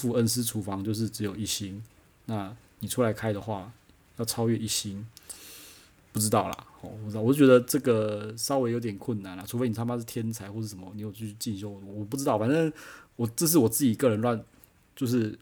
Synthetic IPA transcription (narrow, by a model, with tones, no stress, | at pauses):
fu˥˧˨ə˦ns̬̩˥ʈ͡ʂʰu˧˥fɑ˧˥ŋt͡ɕjo˥˧ʊʂ̬ɻ̩˥˩ʈ͡ʂɻ̩˧˦˥jo˨˩ʊi˥˩ɕi˦˥n | na˥˩ni˨˩ʈ͡ʂʰu˥la˧˥ɪkʰa˥ɪd̪ə˨xwa˥˩ | jɑ˥˩ʊʈ͡ʂʰɑ˥ʊɥɛ˥˧i˥˩ɕi˥n | pu˥˩ʈ͡ʂɻ̩˥t̪ɑ˥˩ʊlɐ̰˩ɔ˨˩pu˩˧˥t͡ɕɥɛ˧˥d̪ə˧ʈ͡ʂɤ˥˩ɡə˨˩ʂɑ˥ʊwe˧˥ɪjo˧˥ʊt̪jɛ˨˩nkʰwə˥˩nna˨˩nla˨ʈ͡ʂʰu˧˥fe˥ɪni˨˩˥ma˥ʂ̩˥˩t̪ʰjɛ˥nt͡sʰa˧˥ɪxwɔ˥˧ʂɻ̩˥˩ʂə˩˦mə̰˦ni˨˥jo˨˩ʊt͡ɕʰy˥˧˩y˥˧t͡ɕi˥˧nɕjɔ˥˧˩ʊ˨˩wɔ˨˩p̬u˥˩ʈ͡ʂɻ̩˥t̪ɑ˥˩ʊfa˨nʈ͡ʂə˥˩ŋwɔ˨˩ʈ͡ʂɤ˥˧ʂ̬ɻ̩˥˩wɔ˨˩t͡sɹ̩˥˩t͡ɕi˨˩kɤ˥˩ɻə˧˦nlwa˥˨n | t͡ɕjo˥˧ʊʂ̬ɻ̩˥˩